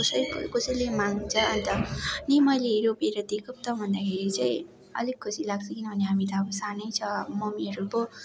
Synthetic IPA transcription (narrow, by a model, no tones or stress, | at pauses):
osʌjkosʌjlemaŋt͡sʰʌʌnt̪ʌnimʌjleɾopeɾʌd̪ekʰʌp̚t̪ʌbʱʌnd̪akʰeɾit͡saĩ | ʌ̰likkʰːusilaɡ̚t͡sʰʌkinʌbʱʌneɦamit̪ʌːbʌsanʌjt͡sʰʌmʌmiɦʌɾubo